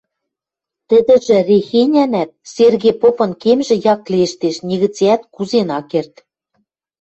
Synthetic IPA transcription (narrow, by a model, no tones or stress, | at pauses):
t̪ɘ̆d̪ɘ̆ʒɘ̆rexenʲænæt̪̚serɣepopɤ̆nkemʒĕjɑklieʃt̪eʃnʲĭɣɘ̆t͡seæt̪kuzenɑkert̪